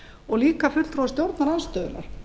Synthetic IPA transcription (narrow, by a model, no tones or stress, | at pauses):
ɔɣliːkafʏt̪lθʰɾowst̪jowɾt̪naɾanst̪œːðʏna̰ɾ̥